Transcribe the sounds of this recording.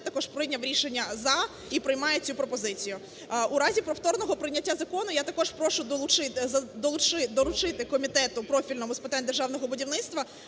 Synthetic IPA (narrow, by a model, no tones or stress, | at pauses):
t̪ɐkɔʒ̥pɾɪjnʲɐʋɾʲiʃenʲːɐzɑ | ipɾɪjmɑjet͡sʲupɾɔpɔzɪt͡sʲijʊ | uɾɑzʲipɾɔwt̪ɔrnɔɦɔpɾɪnʲɐtʲːazɐkɔnʊjat̪ɐkɔʒpɾɔʃʊd̪ˠʊt͡ʃɪɐd̪ɔlˠʊt͡ʃɪd̪ɔɾʊt͡ʃɪt̪ɪkɔmʲit̪ɛt̪ʊpɾɔfʲilʲnɔmʊspɪt̪ɑnʲd̪erʒɑwn̪ɔɦɔbʊdʲiwnɪt̪st̪ʋɐ